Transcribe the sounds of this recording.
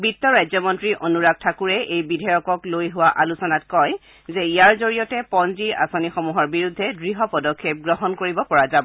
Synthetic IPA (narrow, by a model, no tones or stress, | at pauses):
bitːɔɹajzɔmɔntɹiʔonuɹaɡ̚tʰakuɹɛʔejbidʱɔjɔkɔklojɦʊwaʔalusɔnatkɔj | zɛijaɹzoɹijɔtɛpɔnziɹʔa̰sonixɔmuɦɔɹbiɹudʱːɛdɹiɦɔpɔdɔkʰːep̚ɡɹɔɦɔnkoɹibɔpɔɹazabɔ